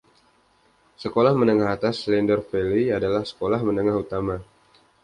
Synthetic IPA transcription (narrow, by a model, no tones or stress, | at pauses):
səkolahmənəŋahɦat̪aslɛndərfeliadalahsə̥kolahmənəŋaɦut̪ama